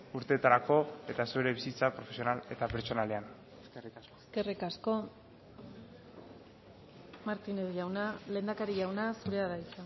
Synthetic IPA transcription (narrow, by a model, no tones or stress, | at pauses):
uɾt̪e̞ːt̪aɾako̞e̞t̪asueɾe̞βisit͡sapɾo̞fe̞sionale̞t̪apeɾt͡ʃo̞nale̞an | eskerikaskoske̞rikasko̞ | maɾt̪ine̞ðʝawnale̞ːnd̪akaɾiʝawnasuɾeaðait͡san